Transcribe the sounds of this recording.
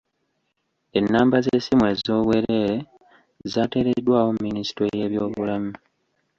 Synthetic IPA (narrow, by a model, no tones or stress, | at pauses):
e̞nːaːmbazesimwe̞ːzo̞ːβwe̞ɾe̞ːɾe | zaːte̞ːɾedːwaːwo̞mmːinisi̥toje̞βjo̞ːβulamu